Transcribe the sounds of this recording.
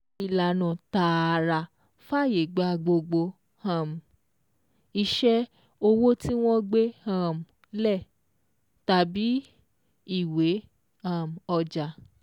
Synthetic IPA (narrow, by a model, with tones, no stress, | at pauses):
i˨la˨nã˨ta˨˧˨ɾa˧˨ | fa˦˨je˨ɡ͡ba˨˧˦ɡ͡bo˧ɡ͡bo˧ | hã˨m̩˨ | i˧ʃɛ˦ | o˧wo˦ti˦w̃ɔ̃˦ɡ͡be˦ã˨m̩˨ | lɛ˦˨ | ta˨bi˨˦ | i˦˨we˨˦ | ã˨m̩˨ɔ˧d͡ʒa˨